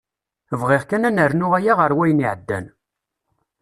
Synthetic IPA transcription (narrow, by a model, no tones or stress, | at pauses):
vʁɪʁkænænəɾnʊʁæjaʁəɾwæjniʕəd̪ːæ̰n